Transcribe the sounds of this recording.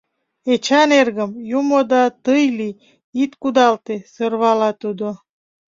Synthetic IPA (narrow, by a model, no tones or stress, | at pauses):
et͡ɕɑnerɣəmjumod̪ɑt̪ɯjli | it̪kud̪ɑlt̪esərβɑlɑt̪ud̪o